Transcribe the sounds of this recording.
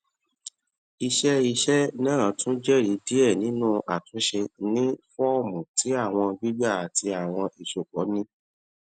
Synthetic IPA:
i˧ʃɛ˦i˧ʃɛ˦nãː˦˨˦tũ˦d͡ʒɛ˦˨ɾi˨˦di˦ɛ˦˨nĩ˨˦nũ˦ʔa̰˨tũ˨˦ʃe˧nĩ˦fɔ˦˨mũ˨ti˨˦a˦˨w̃ɔ̃˧ɡ͡bi˦ɡ͡ba˦˨ti˧a˨w̃ɔ̃˧ʔi˨ʃo˨k͡pɔ˨˦nĩ˦

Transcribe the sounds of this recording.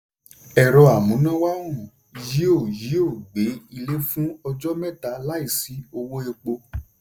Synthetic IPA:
ɛ˨ɾɔ˧a˨mũ˨˦nã˦wa˦ɾũ˦˨ | ji˨˦o˦˨ji˨˦o˦˨ɡ͡be˨˦i˧le˦fũ˦ɔ˧d͡ʒɔ˦mɛ̃˦˨ta˧˦la˦i˦˨si˨˦o˧wo˦e˧k͡po˧

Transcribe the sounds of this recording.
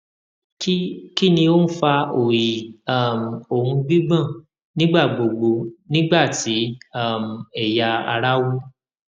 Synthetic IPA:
kki˦nĩ˧o˦n̩˦fa˧o˨ji˨a˦˨m˨o˨hũ˧ɡ͡bi˦ɡ͡bã˦˨ | nĩ˦ɡ͡ba˦˨ɡ͡bo˨ɡ͡bo˧nĩ˦ɡ͡ba˦˨ti˨˦a˦˨m̩˨ɛ˨ja˧a̰˧ɾa˦wu˦

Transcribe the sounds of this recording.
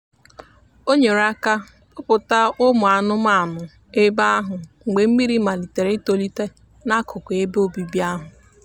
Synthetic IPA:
o˦ɲe˨ɾa˦ka˦ | pʊ˦pʊ˨ta˦ʊ˦mʊ˨a˨nʊ˦m˦a˦˨nʊ˨ | e˦ba˦a˦ɦʊ˨ŋ͡m̩˨ɡ͡be˨m̩˦mi˦ɾi˦ma˨li˨te˨ɾe˨˦to˨li˦te˦ | na˦kʰʊ˨ke˦be˦o˦bi˨bja˦ɦʊ˨

